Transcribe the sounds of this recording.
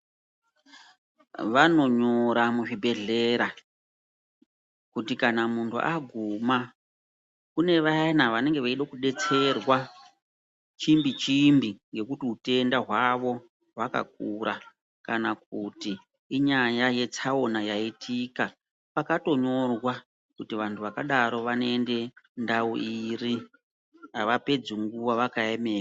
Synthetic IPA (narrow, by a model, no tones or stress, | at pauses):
ʋano̞ɲoɾamuʐibʱe̞ɮe̞ɾa | kutikanamuntʰṵʔaɡʱuma | kune̞ʋanaʋane̞ŋɡeʋaiɗakuɗe̞t͡se̞rwa | t͡ʃimbit͡ʃimbiŋɡe̞kutiute̞ndaɦwaʋo̞ | ɦwaka̰k̚uɾa | kanak̚utiː | ɲajaje̞t͡saonajaitʰika | pakato̞ɲo̞rwa | kutiʋantʰuʋakaɗaɾo̞ʋane̞nde̞ndauʔiri | ɦaʋape̞d͡zuŋɡuʋaʋakaeme̞ːra